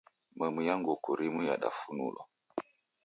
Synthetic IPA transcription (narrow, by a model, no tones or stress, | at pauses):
məmujaŋɡokuɾimuja̰ɗa̰funṵlɔ̰